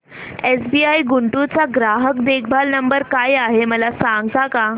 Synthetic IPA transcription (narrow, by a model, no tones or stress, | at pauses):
esbiaiɡuɳʈut͡saɡɾaɦəkd̪ek̚ʰbʱalnəmbəɾkajaɦeməlasãŋɡt̪aka